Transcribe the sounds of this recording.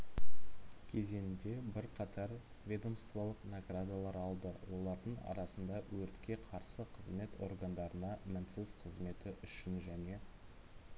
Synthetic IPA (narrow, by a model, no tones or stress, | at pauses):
kʲʰe̞ze̞nɪnd̪e̞bɪɾqʰɑt̪ʰɑɾ | vʲe̞d̪o̞mst̪valˠəqnaɡrad̪alˠɑɾɑlˠd̪əwo̞lˠɑɾd̪əɴɑ̰ɾɑsənd̪ɑwɵɾt̪kʲe̞qʰɑɾsəqʰəzme̞t̪o̞̰rɡand̪ɑɾənɑmɪnsɪzqʰəzme̞t̪ɪʔʏʃɪnʒæne̞